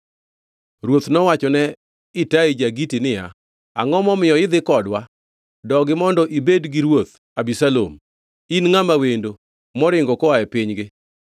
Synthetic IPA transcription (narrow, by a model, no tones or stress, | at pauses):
ɾwot̪nɔwat͡ʃɔnɛ | ɪtaid͡ʒaɡitinɪja̰ | a̰ŋɔmɔmɪjɔɪd̪ɪkɔdwa | dɔɡɪmɔndɔʔibedɡɪɾwot̪ | abisalo̰m | inŋamawendo | mɔɾɪŋɡɔkɔaɛpɪɲɡɪ